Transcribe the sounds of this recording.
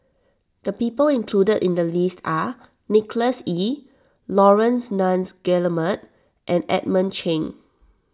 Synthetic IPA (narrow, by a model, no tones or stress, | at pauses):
d̥əpipəlĩnkʰludədḭ̃ndəlistʰa | nikləsi | lɔɹə̃nsnãnsɡɛləmə̃t | ʔɛ̃nɛ̰t̚mə̃nt͡ʃʰẽn